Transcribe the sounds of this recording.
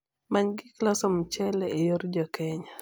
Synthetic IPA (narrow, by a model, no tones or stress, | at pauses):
maɲɡɪklɔsɔmt͡ʃɛlɛejoɾd͡ʒɔkɛɲa